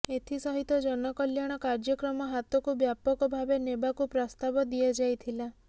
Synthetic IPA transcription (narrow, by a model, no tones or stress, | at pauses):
et̪ʰisɔɦit̪ɔd͡ʒɔnɔkɔljaɽ̃ɔkaɾd͡ʒɔkɾɔmɔɦat̪ɔkubjapɔkɔbʱabenebakupɾɔst̪abɔd̪iɔd͡ʒajt̪ʰila